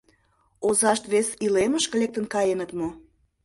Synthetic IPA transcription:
ozɑʃt̪βesileməʃkə̆lek̚t̪ənkɑjenət̪mo

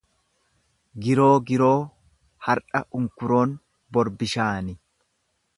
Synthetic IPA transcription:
ɡɪɾo̞ːɡɪɾo̞ː | hɐɾᶑɐʔʊŋkʊɾo̞ːn | bɔɾbɪʃaːnɪ

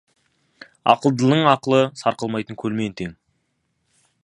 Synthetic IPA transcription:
ɑ̰qəlˠd̪əlˠd̪əɴɑqəlˠəsɑɾqəlˠmɑjt̪əŋkʲʰɵlme̞nt̪ʰeŋ

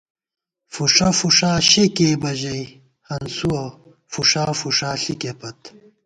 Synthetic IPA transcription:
fuʂɐfuʂaːɕekeːbɐʑɐj | hɐnsuɐ | fuʂaːfuʂaːɬikepɐt̪

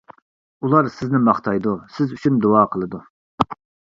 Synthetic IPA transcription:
ulˠɑɾsɪznɪmɑχt̪ʰɑjd̪usɪzyt͡ʃʰynd̪oɑːqʰəlˠɨd̪u

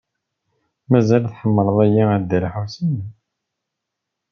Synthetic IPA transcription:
mæzælθħəmːəɾˤəðˤæjiæd̪əɾħusən

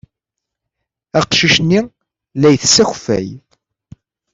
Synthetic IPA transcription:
æqʃiʃni | læjθsæxfæ̰j

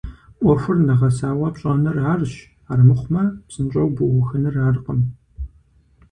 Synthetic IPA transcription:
ʔʷɔxʷʊrnɐʁɐsaːwɐpɕʼɐnɐraːrɕ | aːrmɨχʷmɐpsɨnt͡ʃʼɐwbʊwʊxɐnɨraːrqəm

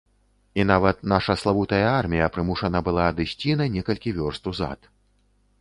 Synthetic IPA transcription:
inavɐt̪naʂɐslˠavut̪ɐjɐarmʲijɐpɾɨmuʂɐnɐbɨlˠaːd̪ɨsʲt͡sʲinɐnʲɛkɐlʲkʲivʲɔrst̪uza̰t̪

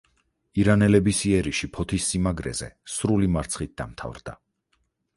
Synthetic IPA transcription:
iɾanɛlɛbisiɛɾiʃipʰɔt̪ʰisːimaɡɾɛ̰zɛ̰sɾulimaɾt̪sʰχit̪̚d̪a̰mt̪ʰa̰vɾd̪̥a̰

